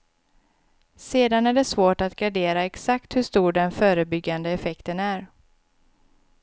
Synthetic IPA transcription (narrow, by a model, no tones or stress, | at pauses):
seːd̪anæɖɛsvoːʈat̪ɡaɖeːɾaɛksakt̪hɵʂt̪uːɖɛnfœːɾəbʏɡːand̪əɛfɛkt̪ənæɾ